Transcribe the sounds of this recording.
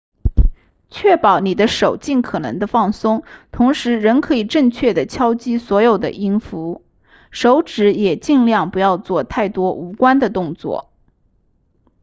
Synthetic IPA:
t͡ɕʰɥɛ˥˩pɑ˨˩ʊni˨˩d̪ə˦ʂo˨˩ʊt͡ɕi˥˩nkʰɤ˨˩nɤ̰˧˥ŋd̪ə˧fɑ˥˩ŋsʊ˥ŋt̪ʰʊ˧˥ŋʂɻ̩˧˥ɻə˧˥nkʰɤ˧˥i˨˩ʈ͡ʂɤ˥˧ŋt͡ɕʰɥɛ˥˩d̪ə˩t͡ɕʰjɑ˥ʊt͡ɕi˥swɔ˧˥jo˨˩ʊd̪ə̰˦ʔi˥nfu˧˥ | ʂo˧˥ʊʈ͡ʂɻ̩˧˥jɛ˨˩t͡ɕi˥˧ŋljɑ˥˩ŋpu˧˥jɑ˥˧ʊt͡swɔ˥˧t̪ʰa˥˩ɪt̪wɔ˥ʔu˧˥kwa˥nd̪ə˨t̪ʊ˥˧ŋt͡swɔ̰˥˩

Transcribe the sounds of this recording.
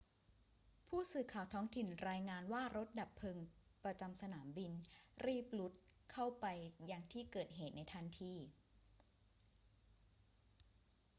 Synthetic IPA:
pʰuː˥˩sɯː˨˩kʰaː˨˩wt̪ʰɔː˦˥ŋt̪ʰi˨˩nɾaː˧jŋaː˧nwaː˥˩ɾo˦˥t̪̚da˨˩pʰːɤː˧ŋpɾa˧t͡ɕa˧msa˧naː˩˦mbi˧nɾiː˥˩p̚lu˦˥t̪̚kʰa˥˩wpa˧jːaː˧ŋt̪ʰiː˥˩kɤː˨˩t̪̚ɦeː˨˩t̪̚na˧jt̪ʰa˧˥˩nt̪ʰiː˧˩

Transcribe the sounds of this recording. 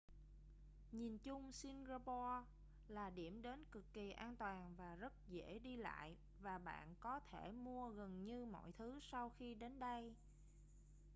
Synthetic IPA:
ɲi˨˩nt͡ɕʊ˧ŋ͡msi˧nza˧ɓɔ˧ | laː˨˩ɗi˧˩əmɗe˨˦nkɨ˨˩kːi˨˩ʔaː˧nt̪waː˨˩nvaː˨˩zə˦˥t̚zḛ˧˥ɗi˧la̰ː˧˨j | vaː˨˩ɓa̰ː˧˨nkɔ˨˦t̪ʰe˧˩mu˧əɣə˨˩nɲɨ˧mɔ̰˧˨jt̪ʰɨ˨˦sa˧wxi˧ɗe˨˦nɗə˧j

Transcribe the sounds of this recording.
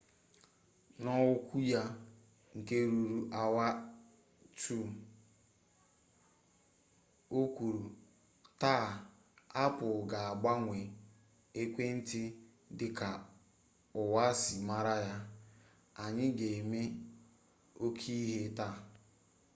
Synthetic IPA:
nɔ˦wʊ˦kʷu˦ja˦ | ŋ̩˨ke˦ɾu˨ɾu˨ʔa˨wa˦ | tu˦˨ | o˦kʷu˨ɾu˨ | ta˦˨ | a˦pʊ˨ɡa˨a˨ɡ͡ba˦ŋʷe˨ | e˦kʷe˦n̩˦tɪ˦ | dɪ˨ka˨ | ʊ˨wa˦si˨ma˦ɾa˦ja˦ | a˨ɲɪ˦ɡe˨e˨me˦ | o˦kʰi˦ɦe˦ta˦˨

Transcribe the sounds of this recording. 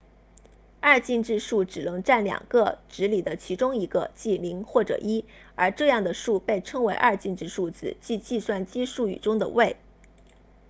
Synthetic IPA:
ɐ˥˧t͡ɕi˥˧nʈ͡ʂɻ̩˥˧ʂu˥˩ʈ͡ʂɻ̩˨˩nɤ˧˥ŋʈ͡ʂa˥˩nljɑ̰˨˩ŋɡə˥˧ʈ͡ʂɻ̩˧˥li˨˩d̪ə˦t͡ɕʰi˧˥ʈ͡ʂʊ˥ŋi˧˥ɡə˧t͡ɕi˥˩li˧˥ŋxwɔ˥˩ʈ͡ʂɤ̰˨˩ʔi˥ | ə˞˧˥ʈ͡ʂɤ˥˧jɑ˥˩ŋd̪ə˩ʂu˥˧pe˥˩ɪʈ͡ʂʰɤ˥ŋwe˧˥ɪʔɐ̰˥˧t͡ɕi˥˧nʈ͡ʂɻ̩˥˧ʂu˥˩t͡sɹ̩˧˩t͡ɕi˥˧t͡ɕi˥˧swa˥˩nt͡ɕi˥ʂu˥˩y̰˨˩ʈ͡ʂʊ˥ŋd̪ə̰˨we˥˩ɪ

